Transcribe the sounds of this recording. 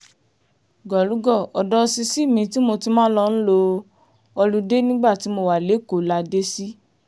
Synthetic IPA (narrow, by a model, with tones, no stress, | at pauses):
ɡɔ˨lu˨˦ɡɔ˦˨ɔ˨dɔ˦˧si˧si˦˨mĩ˧ti˦mo˧ti˧˦mãː˦lɔ˧ñ̩˦lo˧ | ɔ˧lu˧˦de˦nĩ˦ɡ͡ba˦˨ti˨˦mo˧wa˨le˨˦ko˨˦la˧de˦si˦